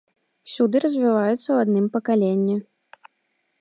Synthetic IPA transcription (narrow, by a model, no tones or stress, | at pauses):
sʲud̪ɨɾɐzʲvʲivajut̪sːɐwad̪nɨmpɐkalʲenʲːi